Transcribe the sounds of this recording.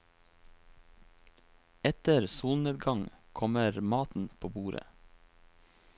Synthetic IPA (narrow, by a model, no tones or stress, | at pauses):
ɛt̪əɾsuːlneːd̪ɡɑŋkʰɔməɾmɑːt̪n̩pʰoːbuːɾə̰